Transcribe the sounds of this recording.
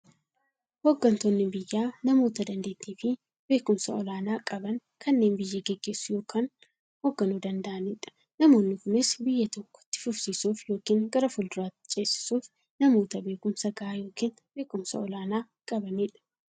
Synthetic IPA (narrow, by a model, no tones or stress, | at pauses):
hoɡːɐnt̪oːnːɪbɪjːaːnɐmo̞ːt̪ɐd̪ɐnd̪e̞ːt̪ːiːfɪ | be̞ːkʊmsɐɔlaːnaːkʼɐbɐŋkʰɐnːe̞ːnbɪjːeɡɛɡːe̞ːsːʊjo̞ːkʰaːn | hoɡːɐnuːd̪ɐnd̪ɐʔɐniᶑɐ̥ | nɐmo̞ːnːɪkʊnɪsbɪjːɐt̪ɔkːɔ̥t̪ːɪ̥fʊfsiːsuːfjo̞ːkiːŋɡɐɾɐfʊld̪ʊɾaːt̪ːɪ̥t͡ʃʼe̞ːsɪ̥suːf | nɐmo̞ːt̪ɐbe̞ːkʊmsɐɡɐʔaːjo̞ːkiːn | be̞ːkʊmsɐ̰ɔlaːnaː | kʼɐbɐnɪᶑɐ̥